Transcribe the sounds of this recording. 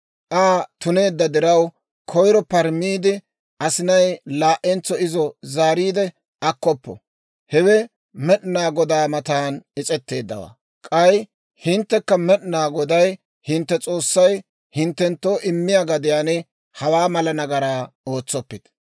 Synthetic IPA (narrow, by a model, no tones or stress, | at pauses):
ʔaːt̪ʊne̞ːd̪ːɐd̪ɪɾɐw | kʰɔjɾɔpɐɾmiːd̪ɪ | ɐsɪnɐjlaːʔɛnt͡sːɔɪzɔzaːɾiːd̪ɛ | ʔɐkːɔpːɔ̰ | hɛwɛ | mɛɗnaːɡɔd̪aːmɐt̪aːnɪt͡sʼɛt̪ːe̞ːd̪ːɐ̰wa̰ː | kʼɐj | hɪnt̪ːɛkːɐmɛɗnaːɡɔd̪ɐj | hɪnt̪ːɛt͡sʼo̞ːsːɐj | hɪnt̪ːɛnt̪ːo̞ːʔɪmːɪjaɡɐd̪ɪjaːnɛ | hɐwaːmɐlɐnɐɡɐɾaːo̞ːt͡sːɔpːɪd̪̥